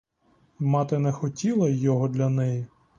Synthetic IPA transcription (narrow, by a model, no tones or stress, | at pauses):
mɑt̪ɪnɛxɔtʲilˠɐjːɔɦɔd̪lʲɐnɛji